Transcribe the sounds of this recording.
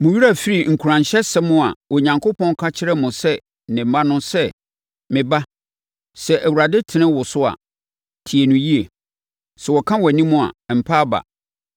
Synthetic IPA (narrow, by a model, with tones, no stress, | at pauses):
mʊ̃˨ɥi˦a˦˨fi˦ɾi˨ŋ̩˨kʰu˨ɾã˨ɲɕɛ˦sɛ˦mʊ̃˦a̰˨wɔ˨ɲã˨ŋkʰo˦pʰɔ̃˦ŋ˦kʰa˦t͡ɕʰɪ˦ɾɛ˦mʊ̃˨sɛ˦ | nɪ̃˨m̩˦mã˦nʊ̃˦sɛ˦ | mɪ̃˨ba˦ | sɛ˨ʔæ˨wu˨ɾa˨dɪ˦tʰɪ˨nɪ̃˦wʊ˨sʊ˦a̰˨ | tʰi˨e˨nʊ̃˨ji˦e˨ | sɛ˨wɔ˨kʰã˦wɛ˨nĩ˦mʊ̃˦a̰˨m̩˨pʰa˦ba̰˨